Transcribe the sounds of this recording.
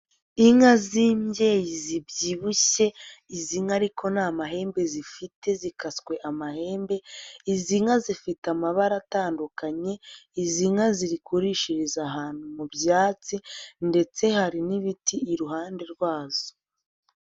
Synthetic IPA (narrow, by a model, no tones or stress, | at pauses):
iŋaziːmɟe̞ːjizibɟiβuɕe̞iziŋaɾikʰo̞naːmaɦe̞ːmbe̞zifite̞zikaskwe̞ʔamahe̞ːmbe̞iziŋazifitamaβaɾataːndukaɲe̞iziŋaziɾikuɾiʃiɾizaɦaːn̥humubjaːt͡sinde̞t͡se̞haɾiniβitiːɾuɦaːnde̞ɾɡwaːz̥o̥